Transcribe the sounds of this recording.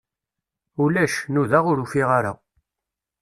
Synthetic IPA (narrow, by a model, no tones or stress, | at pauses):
ulæʃnuðaʁʊɾufiʁaɾa̰